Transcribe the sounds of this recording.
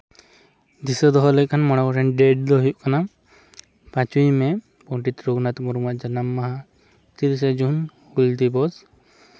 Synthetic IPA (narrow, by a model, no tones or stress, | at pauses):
d̪isɔd̪ɔɦɔlɛc̚kʰanmɔɽ̃abɔʈʰɛnɖɛɖ̚d̪ɔɦjuʔ̚kana | pãt͡ʃujmɛ | pɔɳʈit̪ɾuɡnat̪mɔɾumaʔd͡ʒanamːaɦa | t̪iɾs̬ɛd͡ʒun | huld̪ibɔs